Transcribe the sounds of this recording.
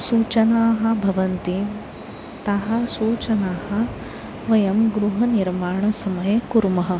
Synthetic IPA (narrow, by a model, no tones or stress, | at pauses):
suːt͡ʃɐnaːɦɐ̆bʱɐʋɐnt̪i | t̪ɐɦɐsuːt͡ʃɐnaːhɐ̆ | ʋɐjɐmɡɾuɦɐniɾmaːɳɐsɐmɐjɐkuɾmɐɦɐ̆